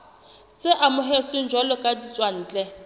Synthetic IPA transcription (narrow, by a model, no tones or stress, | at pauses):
t͡sʼɪʔamʊɦesʊn̩d͡ʒwalɔkʼadit͡sʼwan̩ːt͡ɬʼɛ